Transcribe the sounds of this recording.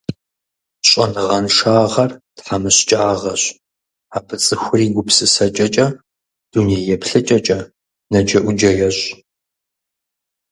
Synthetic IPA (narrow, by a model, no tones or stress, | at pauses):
ɕʼɐ̰nɨʁɐnʃaːʁɐrtħamɨɕt͡ʃʼaːʁɐɕ | aːbɨt͡sʼɨxʷʊriːɡʷʊpsɨsɐt͡ʃʼɐt͡ʃʼɐ | d̥uneːjɛpʰɬɨt͡ʃʼɐt͡ʃʼɐ | nɐd͡ʒɐʔʷʊd͡ʒɐjɛɕʼ